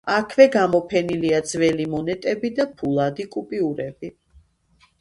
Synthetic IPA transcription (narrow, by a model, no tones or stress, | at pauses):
akʰvɛɡamɔpʰɛniliad̪z̥vɛlimɔnɛt̪ʼɛbid̪apʰulˠad̪ikʼupʼiuɾɛbi